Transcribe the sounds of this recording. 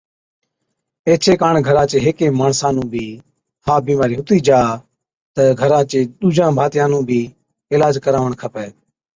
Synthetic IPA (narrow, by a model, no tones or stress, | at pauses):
eːt͡ʃʰeːkaːɳɡʱəɾãːt͡ʃeːɦeːkẽːmaːɳsãːnũːbʱiː | hʰaːbiːmaːɾiːɦʊt̪iːd͡ʒaː | t̪əɡʱəɾãːt͡ʃeːɗ̪uːd͡ʒãːbʱaːt̪jãːnũːbʱiː | ɪːlaːd͡ʒkəɾaːʋəɳkʰəpɛː